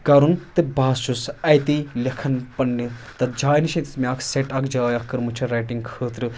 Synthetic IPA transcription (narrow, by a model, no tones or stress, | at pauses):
kɐɾunt̪ɨbaːst͡ʃusɐjt̪ilʲɐkʰɐnpɐnɖit̪ɐt̪d͡ʒaːjniʃɐ̃t̪ismʲaːkʰseʈɐkʰd͡ʒaːjɐkːɨɾmɨt͡ʃʰɐɾɐjʈiŋɡkʰəːt̪ɾɨ